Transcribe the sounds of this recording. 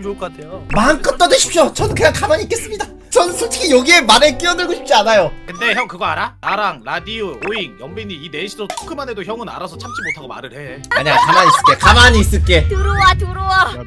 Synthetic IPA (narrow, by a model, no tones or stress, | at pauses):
okatʰejomank͈ʌt͈ʌdɯɕʰi̥p̚ɕ͈ot͡ɕʌnɯnkɯɲaŋkamaɲiːk͈e̞s͈ɯmɲida | t͡ɕʌnɯnsʰot͡ɕʰe̥kʰijʌɡie̞maɾek͈iʌdɯɭɡoɕʰi̥p̚t͡ɕ͈ianajokɯnde̞çjʌŋkɯɡʌaɾaaɾaŋɾadiuoiŋjʌmbiɲiine̞ɕʰiɾotʰo̥kʰɯmanedoçjʌŋɯna̰ɾasʰʌt͡ɕʰamt͡ɕ͈imotʰaɡoma̰ɾɯɾɦe̞aɲakamaɲis͈ɯɭk͈e̞kamaɲiːs͈ɯɭk͈e̞tɯɾowatɯɾowa